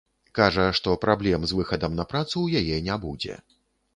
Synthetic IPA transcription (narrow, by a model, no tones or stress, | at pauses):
kaʐɐʂt̪ɔpɾablʲɛmzvɨxɐd̪ɐmnɐpɾat̪sujajɛnʲabud͡zʲɛ̰